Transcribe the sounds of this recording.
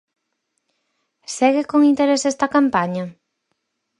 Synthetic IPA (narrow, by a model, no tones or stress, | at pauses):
seɣɪkoŋint̪eɾesesd̪ɐkampaɲɐ